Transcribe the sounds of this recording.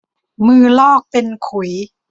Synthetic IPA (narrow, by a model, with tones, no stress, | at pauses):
mɯː˧lɔː˥˩k̚pe˧nkʰu˨˩˦j